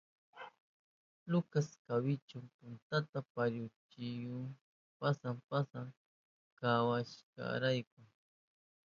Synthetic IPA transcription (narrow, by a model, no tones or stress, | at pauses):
lʊkaskawɪt͡ʃʊmpʊnt̪at̪apaɾjʊt͡ʃɪjʊŋ | pasampasaŋ | kawaʃka̰ɾajkʊŋ